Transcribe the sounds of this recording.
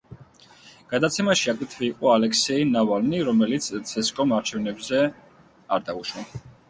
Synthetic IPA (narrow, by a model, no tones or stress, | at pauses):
ɡ̥ad̪at̪sʰɛmaʃiaɡɾit̪ʰviːqʼɔalɛksɛinavalniɾɔmɛlit̪sʰt̪sʰɛskʼɔmaɾt͡ʃʰɛvnɛbzɛ | aɾd̪auʃwa